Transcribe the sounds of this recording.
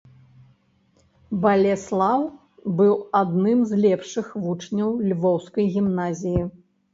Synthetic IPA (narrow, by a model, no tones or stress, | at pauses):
bɐlʲɛslˠaw | bɨwad̪nɨmzlʲɛpʂɨxvut͡ʂnʲɐwlʲvɔwskɐjɣʲimnazʲiji